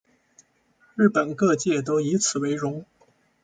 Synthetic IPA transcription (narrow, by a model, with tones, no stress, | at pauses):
ɻ̩˥˩pə˨˩nkɤ˥˧t͡ɕjɛ˥˩t̪̬o˥ʊi˧˥t͡sʰɹ̩˨˩we˧˥ɪɻʊ˧˥ŋ